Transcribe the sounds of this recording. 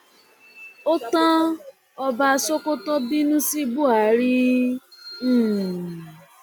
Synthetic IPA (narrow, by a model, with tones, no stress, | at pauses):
o˦tã˦ | ɔ˧ba˧so˦ko˦tɔ˦bi˦nũ˦si˦bu˦˨a˨˦ɾi˦˨